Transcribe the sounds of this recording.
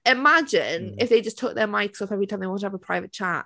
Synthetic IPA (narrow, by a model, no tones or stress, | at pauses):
ɪmad͡ʒɪ̃nɪfðeɪd͡ʒʌstʰʊk̚ðəmaɪksɔfɛvɹitʰãɪ̃mðeɪɒ̃ntəəvəpʰɹ̥aɪvət̚t͡ʃʰaˑʔ̚